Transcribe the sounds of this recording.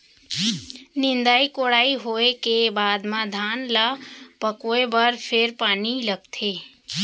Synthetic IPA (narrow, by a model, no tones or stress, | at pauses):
nɪ̃nd̪aːikoːɽaːiɦoːekebaːd̪mãd̪ʱaːnlapəkoːebəɾpʰeɾpaːniləɡ̚t̪ʰeː